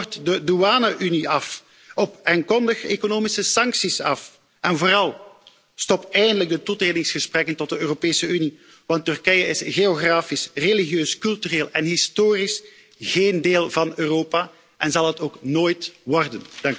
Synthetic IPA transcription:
rtdəduaːnəʔyniɑf | ɔpaːŋkɔndəxekonoːmisəsɑŋksisɑf | ʔɛnvoːɾɑlˠ | stɔpɛjəndələɡ̚dətutreːdɪŋsxəsprɛkəntɔt̚dəøːropeːsəyni | ʋɑntːʏrkɛjəɪsɣeoɣraːfisreliɣjøːskɵlˠtyreːlˠɛnɦɪstoːris | ɣeːndeːlˠvɑnøːroːpa | ʔɛnzɑlˠɦətoːknoːjtʋɔrdəndɑŋk

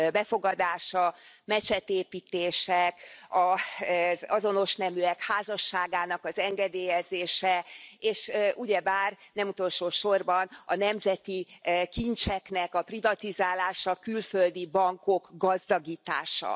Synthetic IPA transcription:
bɛfo̞ɡɒd̪aːʃɒ | mɛt͡ʃɛt̪eːpiːt̪eːʃɛkɒ | zɒzo̞no̞ʃnɛmyɛkhaːzɒʃːaːɡaːnɒkɒzɛŋɡɛd̪eːjɛzeːʃɛeːʃʔuɟɛbaːrnɛmut̪o̞lʃoːʃo̞rbɒnɒnɛmzɛt̪ikint͡ʃɛknɛkɒprivɒt̪izaːlaːʃɒkylføld̪ibɒŋko̞kɡɒzd̪ɒɡiːt̪a̰ːʃɒ̰

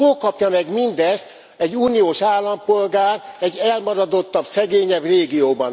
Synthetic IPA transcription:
oːkɒpjɒmɛɡmind̪ɛst̪ | ɛɟːuːnioːʃaːlːɒmpo̞lɡaːrɛɟːɛlmɒɾɒd̪o̞t̪ːɒbsɛɡeːɲɛbreːɡijoːbɒn

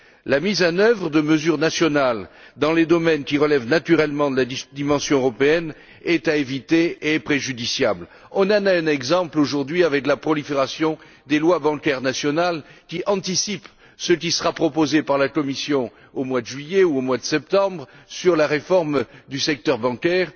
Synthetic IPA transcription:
lamizɑ̃nœvʁəd̪əməzyʁnasjɔnald̪ɑ̃led̪ɔmɛnkʲiʁəlɛvnat̪yʁɛlmɑ̃d̪əlad̪imɑ̃sjɔ̃øʁɔpeɛn | ɛt̪aevit̪eepχeʒyd̪isjabl | ɔ̃nanaɛ̃nɛɡzɑ̃ploʒuʁd̪ɥiavɛklapχɔlifeʁasjɔ̃ | d̪elwabɑ̃kɛʁnasjɔnalkʲiʔɑ̃t̪isip | sək̬ʲisəʁapχɔpozepaʁlakɔmisjɔ̃ | omwad̪əʒɥijeuomwad̪əsɛp̚t̪ɑ̃bʁsyʁlaʁefɔʁmd̪ysɛk̚t̪œʁbɑ̃kʲɛːʁ

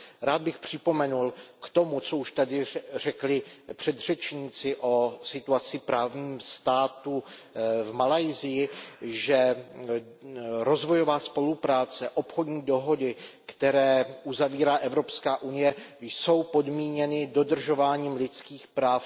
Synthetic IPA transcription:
ɾaːd̪̚bɪxpr̝̥ɪpo̞mɛnulkt̪o̞mut͡so̞uʃt̪adɪr̝ɛklɪpr̝̥ɛd̪r̝ɛt͡ʃɲiːt͡sɪʔo̞sɪt̪uat͡sɪpɾaːvɲiːmst̪aːt̪uvmalajzɪjɪʒɛ | ɾo̞zvo̞jo̞vaːspo̞lupɾaːt͡sɛʔo̞pxodɲiːdo̞ɦo̞dɪkt̪ɛɾɛːʔuzaviːɾaːʔɛvɾo̞pskaːʔunɪjɛjso̞wpo̞dmiːɲɛnɪdo̞dr̩ʒo̞vaːɲiːmlɪt͡skiːxpɾaːf

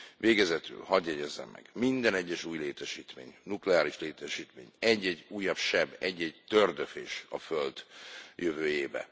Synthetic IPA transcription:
veːɡɛzɛt̪y̰lhɒd̪jɛɟɛzːɛ̰mːɛ̰ɡ̥mind̪ɛnɛɟːɛʃuːjleːt̪ɛʃiːt̪mḛːɲnuklɛaːɾiʃleːt̪ɛʃiːt̪meːɲɛɟːɛɟuːjːɒbʃɛbɛɟːɛɟt̪ørd̪øfeːʃɒ̰føld̪jøvøːjeːbɛ̰

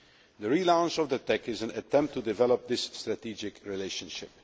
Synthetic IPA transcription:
d̪əɹilãʊ̃nt͡ʃɔvd̪ətɛkɪzə̃nətɛ̃mp̚tːudɪvɛləp̚d̪ɪsːtɹatiːd͡ʒɪkɹileɪʃə̃nʃɪp̚

